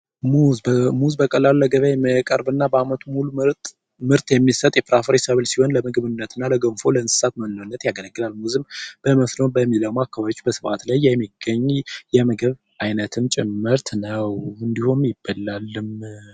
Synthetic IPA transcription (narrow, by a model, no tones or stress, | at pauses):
muzmuzbəkʼəlaluləɡəβjajɛməkʼəɾbɨnːabəamət̪ʰumuluɨɾt̪ʼ | mɨɾt̪jɛmːisət̪ʼjɛpʰɾafɾesəβɨlsiho̞nləmɨɡβɨnːət̪ʰɨnːaləɡəmfo̞ləɨnsɨ̥sat̪mənlonːət̪jaɡələɡːɨlalmuzɨmb̥əməslobəmːiləwmakːaβaβjet͡ʃːubəsɨfat̪lajːɛmːiɡ̥ːəɲːjɛməɡɨβ | ʔajnət̪ʰɨmt͡ʃʼɛmːɨɾt̪nəwɨnd̪ihumjɪb̥ːəlalːɨm